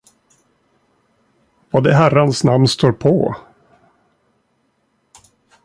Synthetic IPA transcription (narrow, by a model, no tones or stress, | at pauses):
vaːd̪ɛɦæɾːansnamnst̪oːɾpʰɔ